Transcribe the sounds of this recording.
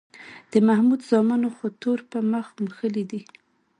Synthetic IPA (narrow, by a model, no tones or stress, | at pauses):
d̪̥əmahmud̪zɑmɑnoxot̪oɾpəməxməxəlid̪i